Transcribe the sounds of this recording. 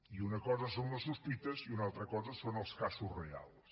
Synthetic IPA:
iunɐkɔzəsonnɐsuspit̪əziunalˠt̪ɾəkɔzəsonəlˠskasuzrea̰lˠs

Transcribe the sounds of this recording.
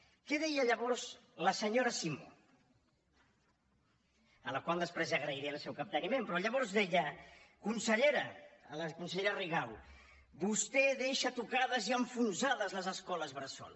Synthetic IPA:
kɛðɛjəːʎəβɔɾzləsəɲoɾəsimo | ələkwalˠd̪əspɾezəɣɾəiɾiəːlˠsɛwkap̚t̪ənimempɾɔʎəβɔɾzðɛʎəkunsəʎeɾələkunsəʎeɾəriɣaw | bust̪eðeʃat̪ukaðəziəɱfunzaðəzləzəskɔləzβɾəsɔ̰l

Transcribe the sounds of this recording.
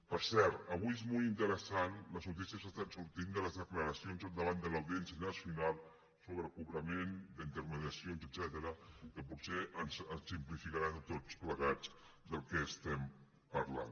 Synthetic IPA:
pəɾsɛɾt̪əβujezmolˠint̪əɾəsanləznut̪̬isiəs̬ast̪ansuɾt̪ind̪ələzðəkləɾəsionzəlˠd̪əβand̪ələwðiɛnsiənnasjunalˠ | soβɾəkuβɾəmend̪əint̪əɾməðiəsionzədz̥ɛt̪əɾəkəpuseənzənsimplifikaɾant̪ot͡spləɣad͡z | d̪əlˠkɛːst̪ɛm | pəɾla̰n

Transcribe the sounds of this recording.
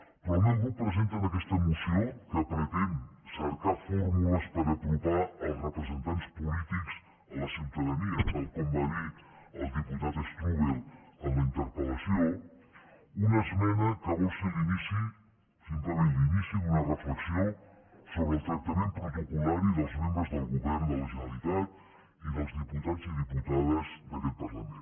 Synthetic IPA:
poɾmẽnb̪upɾesent̪oðɐkest̪ɐmusjowkəpɾet̪enseɾkaɾfoɾmulɐspaɾapɾopaɾɐwzrepɾesent̪ant̪spolit̪iks | oasuwt̪aðeniɐpoɾkombaðiɾazðiput̪aðost̪uβelonɐint̪eɾpolasjow | unaezmenakaβoseðinisi | sent̪aβelðinisiunarefleksjoŋ | soβɾelt̪ɾakt̪amẽnt̪uotokulaɾiðozmẽmbɾezðelɣuβɛɾnðelaʒenalit̪at̪ | iðozðiput̪ansiðiput̪aðazðelelpaɾlamẽn

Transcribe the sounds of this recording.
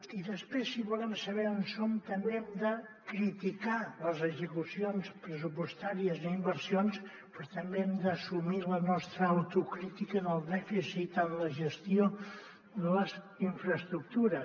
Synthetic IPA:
iðəspɾesːiβulɛmsəβ̞ɛonsomt̪əmbeɛmd̪əkɾit̪ikaləzəɡzəkusionspɾəs̬upust̪aɾiəzimbəɾsions | pɾɔt̪əmbeɛmd̪əːsumilənɔst̪ɾəːwt̪ukɾit̪ikənəlˠd̪ɛfisit̪ənləʒəst̪io | d̪ələz | iɱfɾəst̪ɾuk̚t̪uɾə

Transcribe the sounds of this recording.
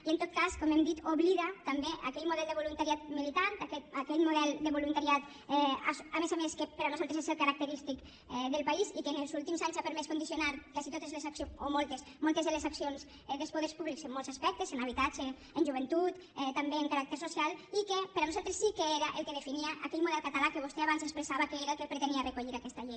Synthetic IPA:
iənt̪ot̪̚kaskomɛmd̪it̪oβliðat̪ambeʔa̰kɛʎmuðɛlˠd̪əβolunt̪aɾiat̪milit̪ant̪akɛakɛʎmuðɛld̪əβolunt̪aɾiat̪ | ɛasamezameskəpəɾanuzalt̪ɾeseselkaɾak̚t̪əɾist̪ik | ɛðəlˠpaisikeneəlˠzulˠt̪imzaɲzapəɾmɛskund̪isionaɾkazit̪ot̪ezleszaksioomolˠt̪es | molˠt̪ezðelezaksionsz | ɛðəlˠspoðɛɾspuβlikzemːolˠzaspɛk̚t̪əzenaβ̞it̪ad͡ʒeː | nʒuβ̞ent̪ut̪ɛt̪ːambeəŋkaɾak̚t̪əɾsosialˠikepəɾanuzalˠt̪ɾesːikeeɾaʔelˠkəðəfiniaʔakɛʎmuðɛlˠkat̪alakəβ̞ost̪ɛaβanzekspɾesaβakeeɾaəlkəlpɾet̪eniarəkuʎiɾakɛst̪aʎej

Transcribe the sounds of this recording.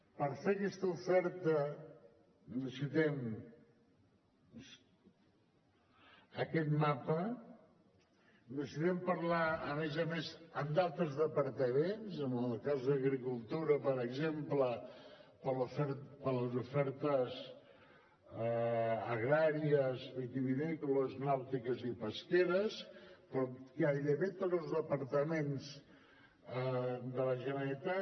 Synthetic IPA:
pəɾfeəkɛst̪əufɛɾt̪ə | d̪əsit̪ɛm | əkɛt̪mapə | d̪əsit̪ɛmpəɾlaəmezəmezəmd̪alˠt̪əzðəpəɾt̪əmenzəməlˠkazðəɣɾikulˠt̪uɾəpəɾəɡzempləpəlufɛɾpələzufɛɾt̪əz | əɣɾaɾiəzik̪iβinɛkuləznawt̪ikəzipəskeɾəspɾɔkaβiðəβet̪od̪zəlˠzðəpəɾt̪əmens | əd̪ələʒənəɾit̪a

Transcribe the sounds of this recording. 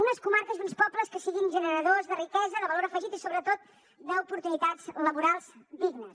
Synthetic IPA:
unəskumaɾkəzd̪unspɔpləskəsiɣinʒənəɾəðozðərikɛzəðəβəloɾəfəʒit̪isoβɾət̪ot̪̚ | d̪əupuɾt̪unit̪ad͡zləβuɾalˠzd̪iɡnəs

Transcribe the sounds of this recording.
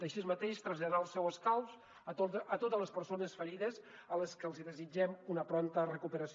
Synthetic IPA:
d̪əʃiəzmət̪eʃt̪ɾəzʎəðɾaəlˠsɛwəskaws | ət̪ot̪əzləspəɾsonəsfəɾiðəz | ələskəlˠziðəzid͡ʒɛmunəpɾɔnt̪ərəkupəɾəs

